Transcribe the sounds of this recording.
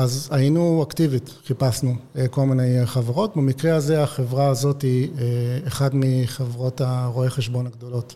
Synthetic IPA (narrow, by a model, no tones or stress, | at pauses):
azainuaktivit̪ | χipasnueko̞lmine̞jχaveʁo̞tbemikʁeaze̞aχevʁaːzo̞tieeχad̪miχevʁo̞taʁoeχeʃbo̞naɡd̪o̞lo̞t